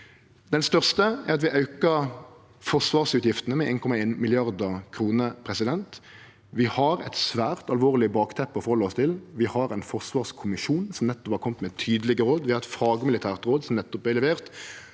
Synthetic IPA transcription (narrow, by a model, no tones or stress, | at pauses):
d̪̥ɛnst̪œʁst̪əæʁɑt̪̬ʋɪʔɑʉkə | fɔʂʋɑːʁsʉːt̪jɪft̪ənəmɛʔeːnkʰɔmɑeːnmɪlɪɑʁd̪ɑkʰɾuːnəpʰʁɛsɪd̪ɛnt̪ | ʋɪhɑɾɛ̰t̪sʋæːʁt̪ɑlʋoːʁlɪbɑːkt̪ʰɛpːɔfɔɾhɔlːəɔst̪ʰɪlʋɪhɑɾæɪnfɔʁsʋɑːʁskʰʊmɪʃuːnsɔmnɛt̪ːɔphɑːʁkʰɔmt̪mɛt̪ʰyːd̪əlɪɡəɾoːd̪ʋɪhɑʁɛt̪fɑːɡəmɪlɪt̪ʰæːʁt̪ʁoːd̪sɔmnɛt̪ːɔp̪æɪɛlɛʋeːʁt̪